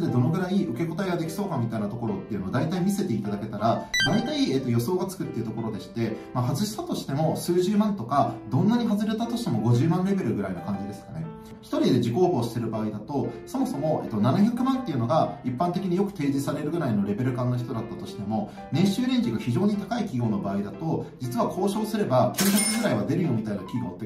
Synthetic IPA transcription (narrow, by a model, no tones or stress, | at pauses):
d̪e̞d̪o̞no̞ɡɯ̟ɾaiɯ̟ke̞ko̞t̪aiɡad̪e̞kʲi̥so̞ːkamʲit̪ainat̪o̞ko̞ɾo̞t̪ːe̞iɯ̟noːd̪ait̪aimʲise̞t̪e̞it̪ad̪ake̞t̪aɾad̪ait̪aie̞ːt̪ːojo̞so̞ːɡat͡sɨ̥kɯ̟t̪ːeiɯ̟t̪o̞ko̞ɾo̞d̪e̞ɕi̥t̪e̞mahazɨɕi̥sat̪o̞ɕi̥t̪e̞mo̞sɨːʑɨːmãnt̪o̞kad̪õ̞nːaɲ̟iɦazɨɾe̞t̪at̪o̞ɕi̥t̪e̞mo̞ɡo̞ʑɨːmãnɾe̞be̞ɾɯ̟ɡɯ̟ɾainokãɲ̟d͡ʑid̪e̞sɨ̥kane̞ | çi̥t̪o̞ɾʲid̪e̞ʑiko̞ːho̞ːɕi̥se̞ɾɯ̟baːid̪at̪o̞so̞mo̞so̞mo̞e̞̰ːt̪ːo̞nanaçʲakɯ̟mãnt̪ːe̞iɯ̟no̞ɡaipːãnt̪e̞kʲiɲ̟ijo̞kɯ̟̥t̪e̞ːʑisaɾe̞ɾɯ̟ɡɯ̟ɾaino̞ɾe̞be̞ɾɯ̟kãnːo̞çi̥t̪o̞d̪at̪ːat̪o̞ɕi̥t̪e̞mo̞ | nẽ̞ɰ̃ɕɨːɾẽ̞ɲ̟d͡ʑiɡaçiʑo̞ːɲ̟it̪akaikʲiɡo̞ːno̞baːid̪at̪o̞d͡ʑit͡sɨβakʰo̞ːɕo̞ːsɨɾe̞bakʲjoːçʲakɯ̟ɡɯ̟ɾaiβ̞ad̪e̞ɾɯjo̞ːɲ̟it̪ainakʲiɡo̞ːt̪ːe